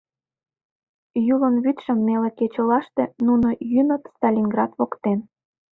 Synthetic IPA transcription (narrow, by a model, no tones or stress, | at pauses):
julənβyt̪ʃə̆mːeleket͡ɕə̆lɑʃt̪ĕnunojynot̪st̪ɑlʲinɡrɑt̪βokt̪en